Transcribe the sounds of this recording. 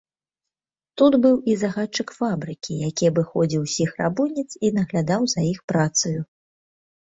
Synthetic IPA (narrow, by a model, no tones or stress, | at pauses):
t̪ud̪bɨwizaɣat͡ʂːɨkfabɾɨkʲijakʲiɛvɨxɔd͡zʲiwsʲixra̰bunʲit̪sinɐɣlʲad̪awzɐjixpɾat̪sɨju